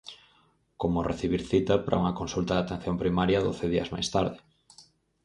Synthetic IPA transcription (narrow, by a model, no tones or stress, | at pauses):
komorʔeθiβ̞iɾθit̪ɐpɾʔa̰uŋɐkonsult̪ɐðat̪en̟θjompɾimaɾjaðo̰θeðiɐ̰zma̰jst̪aɾðɪ